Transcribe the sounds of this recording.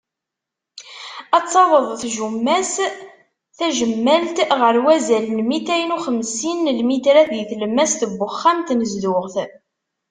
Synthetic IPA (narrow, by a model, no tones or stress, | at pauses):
ɑt͡sːɑwəðˤθʒumːæs | θæʒəmːælt̪ʁəɾwæzælənmit̪æjnuχəmsinlmit̪ɾæθiθləmːæst̪əbːʊχːamt̪nəzdʊʁθ